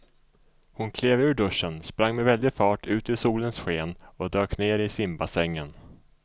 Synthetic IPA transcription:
hʊnkʰleːvʉ̟ːɖɵʂːənspɾaŋːmɛvɛld̪ɪfɑːʈʰʉ̟ːt̪ɪsuːlənsɧeːnɔd̪øːkneːɾɪsɪmbasɛŋːən

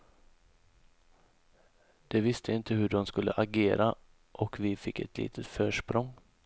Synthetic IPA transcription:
d̪̥ɛvɪst̪ʰəɪnt̪ʰəhɵɖɔmskɵlːə̰ʔaɡeːɾa | ʔɔkvɪfɪkːɛ̰t̪ʰlḭːt̪ʰət̪fœːʂpɾɔŋ

